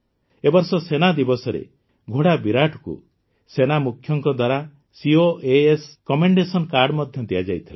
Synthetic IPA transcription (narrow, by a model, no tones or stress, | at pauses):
ebɔɾsɔsenad̪ibɔsɔɾḛ | ɡʱoɽabiɾaʈʰɔ̥kṵ | senamukʰːjɔŋkɔd̪waɾa | sioʔeeskɔmeɳɖesɔnkaɾɖmɔd̪ʱjɔd̪ijad͡ʒajt̪ʰile